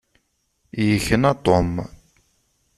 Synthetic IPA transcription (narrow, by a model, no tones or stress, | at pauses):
jəçənat̪ˤom